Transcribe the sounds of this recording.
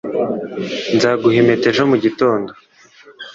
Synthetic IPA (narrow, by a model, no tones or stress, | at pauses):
nzaːɡuheme̞te̞ʒomuɟito̞ːndo